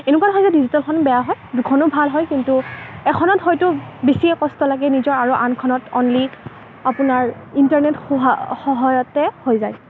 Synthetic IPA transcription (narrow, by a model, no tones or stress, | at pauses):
enukwanɦɔjzɛdizitalkʰɔnbɛjaɦɔjdukʰɔnʊbʱalɦɔjkintuɛkʰɔnɔtɦɔjtʊbesiɛkɔstɔlaɡɛnizɔɹaɹuʔankʰɔnɔtɔnli | apʊnaɹintaɹnetɦxɔɦajɔtɛhojzaj